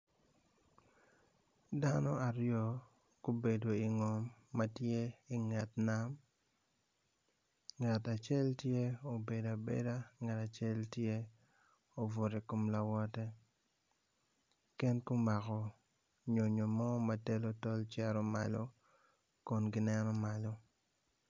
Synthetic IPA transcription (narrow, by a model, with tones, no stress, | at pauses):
da˦nɔ˦a˨ɾjɔ˦ | ko˦be˨do˨i˨ŋɔ˨mːa˦tje˦i˨ŋa˨tna˦m | ŋa˨ta˨t͡ʃɛ˦ltje˦o˨be˨da˨bḛ˨da˦ŋa˨ta˨t͡ʃe˦ltje˦ | o˨vʊ˨ɾi˨ko˨mla˨wɔ˦tɛ˦ | kɛ˦nku˦ma˨kɔ˨ | ɲo˨ɲo˨mɔ˦ma˦tɛ˦lo˦tɔ˦lt͡ʃɛ˦ɾɔ˦ma̰˨lo˦ | kɔ˨nɡɪ˦nɛ˦nɔ˦ma˨lo˦